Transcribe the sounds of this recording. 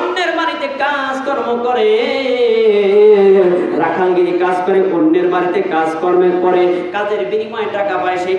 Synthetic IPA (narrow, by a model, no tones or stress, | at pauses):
onːeɾmaɾit̪ekã | d͡zkɔɾmokɔɾe | ɾakʰaŋɡikãd͡ʑkɔɾeʔonːeɾmaɾit̪ekãd͡ʑkɔɾmeɾpɔɾekad͡ʑeɾbinimɔeʈakapajʃej